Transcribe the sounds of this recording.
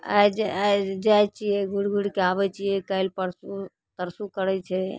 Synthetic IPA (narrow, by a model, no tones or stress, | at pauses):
a̰d͡ʒad͡ʒajt͡ʃiɛɡʱuɽɡʱuɽkeabɛt͡ʃijɛkailpəɾsu | t̪əɾsukəɾɛt͡ʃʰɛ